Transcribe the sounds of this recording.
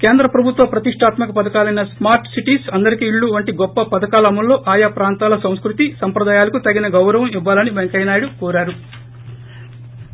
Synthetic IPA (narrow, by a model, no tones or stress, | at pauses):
keːnd̪ɾɐpɾɐbʱut̪ʋɐpɾɐt̪iʂʈʰaːt̪mɐkɐpɐd̪ɐkaːlɐjnɐsmaːɾʈsiʈiːsɐnd̪ɐɾikiːɭːuʋɐɳʈiɡɔpːɐpɐd̪ɐkaːlɐmulːo̞ːʔaːjaːpɾaːnt̪aːlɐsɐmskɾut̪isɐmpɾɐd̪aːjaːlɐkut̪ɐɡinɐɡɐwɾɐʋɐmiʋːaːlɐnibeŋkɐjnaːjɽukɔːɾaːɾu